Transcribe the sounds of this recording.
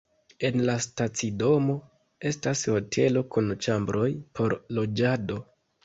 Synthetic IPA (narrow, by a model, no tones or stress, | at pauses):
e̞nlastat͡sido̞mo̞ | e̞stasho̞tʰe̞lo̞kunt͡ʃambɾʔo̞jpʰo̞ɾlo̞d͡ʒado̞